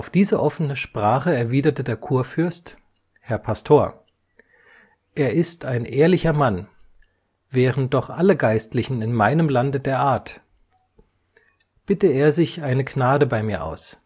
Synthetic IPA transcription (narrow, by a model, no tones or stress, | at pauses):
ʔaʊfd̥iːzəʔɔfənəʃpʁ̥aːχəɛɐviːdɐtədeːɐkʰuːɐfʏɐst | hɛɐpʰastʰoːɐ | ʔeːɐʔɪstaɪnʔeːɐlɪçɐman | vɛːʁəntd̥ɔχʔaləɡaɪstlɪçn̩ɪnmaɪnəmlandədeːɐʔaːɐt | b̥ɪtəeːɐzɪçʔaɪnəɡnaːdəbaɪmiːɐʔa̰ʊs